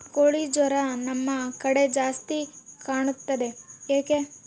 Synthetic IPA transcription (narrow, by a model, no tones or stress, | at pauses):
koːɭid͡ʒɐɾɐnɐmːɐkɐɽe̞d͡ʒaːst̪ikaːɳut̪ːɐd̪e̞jaːke